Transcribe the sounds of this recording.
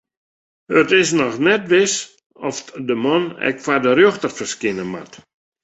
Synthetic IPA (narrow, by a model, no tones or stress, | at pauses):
ətɪs̬nɔxnɛt̚ʋɪs | ɔfdəmɔnɛ̰kfadərjoxtərfərskɪnəma̰t